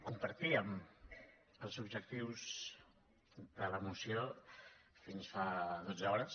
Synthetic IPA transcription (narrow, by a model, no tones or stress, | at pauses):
kumpəɾt̪iəm | əlˠzubʒək̚t̪iwz | ðələmusio | finsfaðod͡zəɔɾəs